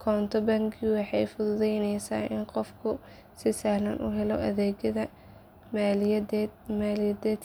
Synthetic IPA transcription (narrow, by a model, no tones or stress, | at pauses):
kʰɔːnt̪ʰɔbɐŋɡʰiwɑħɑjfʊðʊðɛjnɛjsa̰ːʔɪnqɔfkʰʊ | sɪsɐhlɐnʔṵːɦɛlɔ̰ʔɐðɛːɡɐðɐ | m | maːlɪjɐd̪ɛːd̪